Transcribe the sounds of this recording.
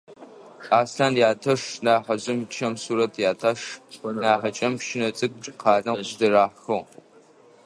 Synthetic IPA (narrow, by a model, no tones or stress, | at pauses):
aːsɬaːnjaːtʰɐʂnaːħɐʑɪmt͡ʃʰɐmsuːɾɐtʰjaːtʰaʂnaːħɐt͡ʃʼɐmpʃɪnɐt͡sʼɨk̚ʷʼʈ͡ʂʼqʰɑːɮɐʒdɐraːħxo